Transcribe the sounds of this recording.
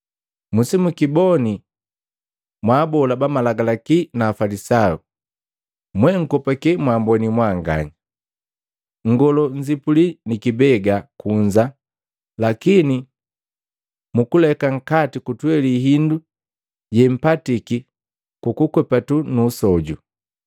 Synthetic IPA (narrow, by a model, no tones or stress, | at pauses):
musimukibɔni | mwaːbɔlabamalaɡalakinaːfalisau | mwɛŋ̩kɔpakɛmwambɔnimwaŋɡa̰ɲi | ŋ̩ɡɔlɔɲd͡ʒipulinikibɛɡakuɲd͡ʒa | lakini | mukulɛkaŋ̩katikutwɛliɦindu | ɟɛm̩patiki | kukukwɛpatunuːsɔɟṵ